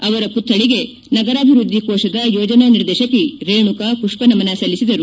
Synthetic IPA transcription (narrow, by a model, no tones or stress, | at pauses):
ɐʋɐɾɐput̪ːɐɭiɡe̞ | nɐɡɐɾaːbʱiɾud̪ʱːikɔːʃɐd̪ɐjɔːd͡ʒɐnɐniɾd̪ɛːʃɐkiɾeːɳukakuʂpɐnɐmɐnɐsɐlːisid̪ɐɾu